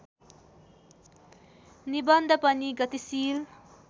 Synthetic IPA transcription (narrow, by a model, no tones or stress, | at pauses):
nibʌnd̪ʱʌpʌniɡʌt̪isil